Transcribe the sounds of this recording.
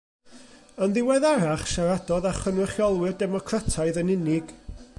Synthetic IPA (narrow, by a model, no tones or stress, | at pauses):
ənðɪwɛðaɾaχʃaɾadɔðaχənwɪχjɔlˠwɨrdɛmɔkʰratʰaɨðənɪnɪɡ̥